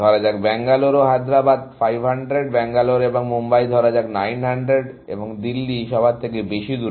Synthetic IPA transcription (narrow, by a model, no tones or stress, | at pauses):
ɔɾad͡ʑakbɛŋɡaloɾoɦad̪ɾabad̪̚fajbʱɦaɳɖɾeɖ̚bɛŋɡaloɾeboŋmombajd̪ʱɔɾad͡ʑaknajnɦaɳɖɾeɖ | ḛboŋd̪ilːiʃɔbʱat̪̚t̪ʰːekebeʃid̪uɾ